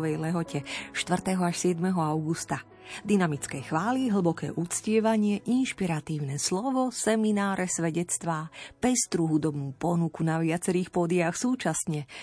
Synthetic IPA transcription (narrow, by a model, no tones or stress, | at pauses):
ʋɛjlɛɦɔcʰɛʃt̪ʋr̩t̪ɛɦɔaʃsɪɛd̪mɛɦɔaʊɡust̪a | d̪inamit͡skɛjxʋaːliɦl̩bɔkɛ̰ːʔut͡scɪɛʋaɲɪɛʔinʃpiɾat̪iːʊnɛslɔʋɔsɛminaːɾʔɛsʋɛɟɛt͡st̪ʋaːpɛst̪ɾuɦud̪ɔbnuːpɔnukunaʋɪat͡sɛɾiːxpɔd̪ɪaxsuːt͡ʃasɲɛ